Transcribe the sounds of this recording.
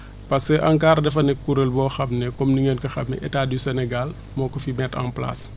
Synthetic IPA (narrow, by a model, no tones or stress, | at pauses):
pɐskəʔɐŋkaːrdɛfɐnɛkːuɾəlbɔːxɐmnɛkɔmniŋəːnkɐxɐmnːɛ̰ʔɛtaːdisɛnɛɡal | mɔːkɔfimɛta̰mpla̰s